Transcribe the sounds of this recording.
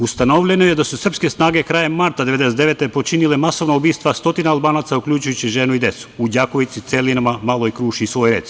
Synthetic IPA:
ust̪ano̞ʋʎenojed̪asusr̩pske̞snaːɡekɾaːjemːaɾt̪ad̪eed̪eset̪eʋe̞t̪epo̞t͡ʃinilemaso̞ʋnoubiːst̪ʋast̪o̞t̪inaalˠbaːnaːt̪saukʎʲuːt͡ʃujut͡ɕiʒeːnuid̪je̞t̪su̥ud͡ʑako̞ʋit̪sit̪selinamamaloikɾuːʃiːsʋo̞ːjɾe̞t̪s

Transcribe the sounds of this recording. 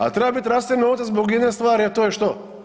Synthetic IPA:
a̰t̪ɾebabit̪ʲɾast̪iɾnot̪ezboɡjed̪nest̪ʋaːɾiat̪oːjɛʃt̪o

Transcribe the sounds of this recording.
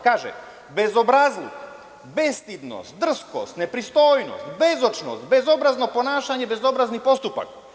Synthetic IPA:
kaːʒḛ | be̞zo̞bɾazlik | best̪id̪no̰st̪̚d̪r̩sko̞̰st̪ne̞pɾist̪o̞ːjnost̪bezot͡ʃno̰st̪bezo̞bɾazno̞po̞naːʃaɲebe̞zo̞bɾaznipo̞st̪upa̰k

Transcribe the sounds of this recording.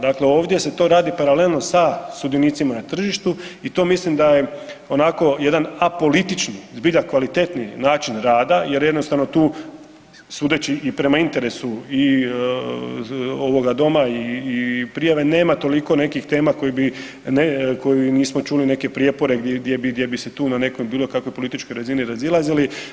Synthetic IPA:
d̪akle̞o̞ːʋd̪je̞se̞t̪o̞ɾaːd̪ipaɾale̞lˠno̞sasud̪jeniːt̪simanat̪r̩ʒiʃt̪uit̪o̞mislimd̪aje̞o̞nako̞je̞d̪anapo̞lit̪it͡ʃnizbiʎakʋalit̪e̞t̪ninaːt͡ʃinɾaːd̪aje̞ɾje̞d̪nost̪aʋnot̪uː | suːd̪et͡ɕiʔipɾe̞maint̪e̞ɾe̞sui | oʋo̞ɡad̪o̞maiːpɾijaʋe̞ne̞ːmat̪o̞liko̞ne̞kixt̪e̞ːmako̞jibi | neko̞jiniːsmot͡ʃuːline̞ke̞pɾijepo̞ɾe̞ɡd̪jd̪jebid̪jebise̞t̪uːnane̞ko̞jbiːlokakʋo̞jpolit̪it͡ʃko̞jɾaziniɾazilˠazili

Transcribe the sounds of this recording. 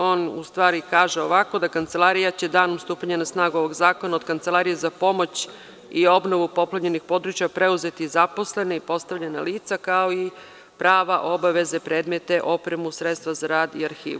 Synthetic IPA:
o̞ːnṵst̪ʋaːɾikaːʒe̞o̞ʋako̞d̪akant̪se̞laɾijat͡ɕe̞d̪aːnomst̪uːpaɲanasnaːɡuo̞ʋo̞ɡzaːko̞naod̪kant̪selaɾije̞zapo̞mo̞t͡ɕ | io̞bno̞ʋupo̞plaɲe̞nixpo̞d̪ɾut͡ɕjapɾe̞uze̞t̪izapo̞sle̞neipo̞st̪aʋʎenaliːt̪sakao̞i | pɾʔaːʋaʔo̞baʋe̞ze̞pɾe̞ːd̪me̞t̪e̞ʔo̞pɾe̞musɾet̪st̪ʋazaɾaːd̪iaɾxḭːʋu

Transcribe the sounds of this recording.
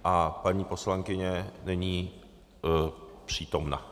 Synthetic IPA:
ʔapaɲiːpo̞slaŋkɪɲɛnɛɲiː | pr̝̥iːt̪o̞mna̰

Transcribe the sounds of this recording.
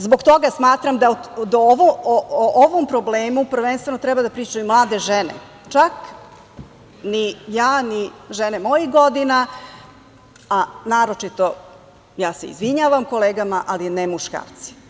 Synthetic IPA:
zboɡt̪o̞ɡasmaːt̪ɾamd̪ad̪ooʋoooʔoʋompɾobleːmupr̩ʋenst̪ʋe̞not̪ɾɛbad̪apɾiːt͡ʃajumlˠaːd̪e̞ʒɛnḛ | t͡ʃak | nijaːniʒenemo̞jiɣɡod̪ina | anaːɾo̞t͡ʂit̪o | jaːsḛḭzʋiɲaːʋamko̞leːɡamaʔalinemuʃka̰ːɾt̪si̥

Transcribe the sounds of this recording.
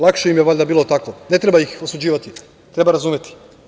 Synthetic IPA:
lˠakʃeimjeʋoʎʲd̪abiːlo̞t̪akone̞t̪ɾebaixo̞sud͡ʑiːʋat̪i | t̪ɾe̞baɾazuːmjet̪ʰi̥

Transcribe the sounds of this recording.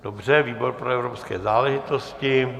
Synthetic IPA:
d̥obr̝ɛviːbo̞ɾpɾoɛvɾopskɛ̰ːzaːlɛʒɪt̪oscɪ

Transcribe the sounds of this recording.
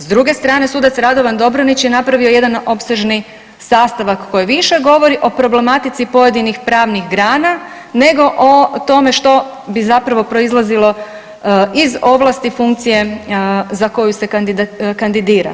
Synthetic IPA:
zd̪ɾuɡe̞st̪ɾaːne̞suːd̪at̪sɾad̪o̞ʋand̪o̞bɾonit͡ɕjenapɾaʋio̞je̞d̪ano̞pseʒni | saːst̪aʋakːo̞jiʋiʃe̞ɡo̞ʋo̞ɾiʔopɾo̞ble̞mat̪it̪sipo̞je̞d̪inixpɾaːʋnixɡɾaːna | ne̞ɡo̞ʔot̪o̞me̞ʃt̪o̞ | bizapɾaʋo̞pɾo̞izlˠazilo̞ | izo̞ʋlˠast̪ifuŋkt̪sije̞ | zako̞juse̞kand̪id̪kand̪id̪iːɾa̰

